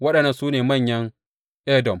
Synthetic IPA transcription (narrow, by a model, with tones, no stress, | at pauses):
wɐ˦ɗɐ˨nːɐ˨nsuː˦neː˨mɐ˦˨ɲjɐ˦ŋ | ʔɛ˦dɔ˨m